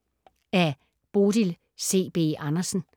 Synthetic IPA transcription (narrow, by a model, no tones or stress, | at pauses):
æ | b̥o̝ːd̥il | se̝̰ːb̥e̝̰ːʔɑnɐsn̩